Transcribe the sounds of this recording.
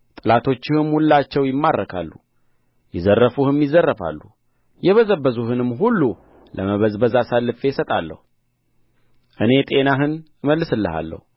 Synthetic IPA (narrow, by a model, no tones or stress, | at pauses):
t̪ʼɨlat̪ʰo̞t͡ʃːɪhɨmhulːat͡ʃːɛwjɪmːaɾːəkʰa̰lːu | jɪzərːəfuhɨmjɪzərːəfa̰lːu | jɛβəzəbːəzuhɨnɨmɦulːu | lʔəməβəzbəzasalːɨfe̞sət̪ʼalːə̰hu | ʔɨne̞t̪ʼe̞naɦɨnɨməlːɨsɨlːɨha̰lːə̰hu